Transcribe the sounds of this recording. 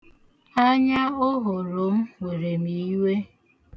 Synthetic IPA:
a˦ɲa˦o˦ɦʊ˨ɾo˨˦m̩˦wo˨ɾe˨mi˨i˦we˦

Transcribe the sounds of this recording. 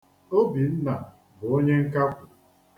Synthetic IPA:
o˦bi˨n̩˦na˨ | bʊ˨o˦ɲe˦ŋ̩˦ka˦kʷʊ˨

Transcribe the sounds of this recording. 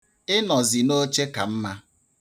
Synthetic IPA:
ɪ˦nɔ˨zɪ˨no˦t͡ʃe˦ka˨m̩˦ma˦

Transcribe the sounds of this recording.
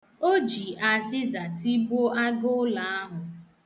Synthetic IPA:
o˦d͡ʒi˨ʔa˨zɪ˦za˨ti˦bo˦a˦ɡʊ˦la˨a˦ɦʊ˨

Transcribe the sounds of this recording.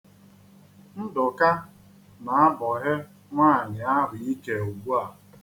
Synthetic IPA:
n̩˦dʊ˨ka˦ | na˨a˦bɔ˨ɦɪ˦ | ŋʷaː˦˨ɲɪ˨a˦ɾi˨i˦ke˨o˨ɡ͡bu˦a˨

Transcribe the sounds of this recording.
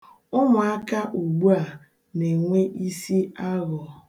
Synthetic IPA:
ʊ˦mʊ˨a˦ka˦ʔu˨ɡ͡bu˦a˨ | ne˨ŋʷe˦ʔi˦si˦a˦ɣɔ˨

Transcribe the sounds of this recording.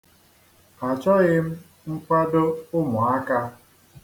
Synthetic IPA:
a˨t͡ʃɔ˦ɣɪ˦m̩˦ | ŋ̩˦kʷa˦do˦ʊ˦mʊ˨a˦ka˦

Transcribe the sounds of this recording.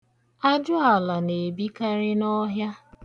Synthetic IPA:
a˦d͡ʒʊ˦a˨la˨ne˨bi˦ka˦ɾɪ˦nɔ˦ɦja˦

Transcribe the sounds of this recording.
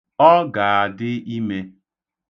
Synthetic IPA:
ɔ˦ɡa˨a˨dɪ˦i˦me˦

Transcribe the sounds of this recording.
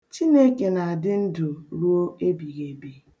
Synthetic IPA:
t͡ʃi˦ne˦ke˨na˨a˨dɪ˦n̩˦du˨ɾu˦o˦e˦bi˨ɣe˨bi˨

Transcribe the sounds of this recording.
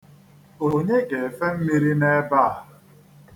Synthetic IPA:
o˨ɲe˦ɡe˨fe˦m̩˦mi˦ɾi˦ne˦ba˦˨a˨

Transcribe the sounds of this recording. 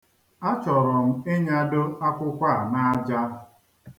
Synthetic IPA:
a˦t͡ʃɔ˨ɾɔ˨m̩˦e˦ɲa˦do˦a˦kʷʊ˦kʷa˦˨na˦a˦d͡ʒa˦

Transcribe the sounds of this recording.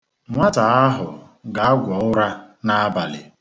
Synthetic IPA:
ŋʷa˦ta˨a˦ɦʊ˨ | ɡa˨˦a˦ɡʷɔ˨ʊ˦ɾa˦na˦a˦ba˨lɪ̰˨

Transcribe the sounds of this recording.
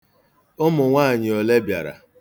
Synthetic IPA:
ʊ˦mʊ˨ŋʷaː˦˨ɲɪ˨ɔ˨le˦bja̰˨ɾa̰˨

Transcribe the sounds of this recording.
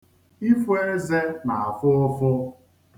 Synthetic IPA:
i˦fu˦e˦ze˦na˨a˨fʊ˦fʊ˦

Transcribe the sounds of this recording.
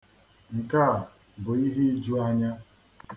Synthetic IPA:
ŋ̩˨ka˦˨ | bʊ˨i˦ɦe˦d͡ʒu˦a˦ɲa˦

